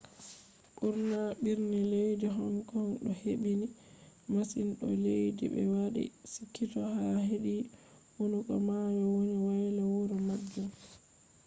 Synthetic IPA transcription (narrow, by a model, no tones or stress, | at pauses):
ɓuɾnaɓiɾnɛlejdiɦɔnkɔnɗɔheɓini | masinɗɔ̰lejdḭbɛ̰waɗḭsikʰːitɔhaɦeɗi | wonukɔ̰majɔwoniwajlawuɾɔmad͡ʒːu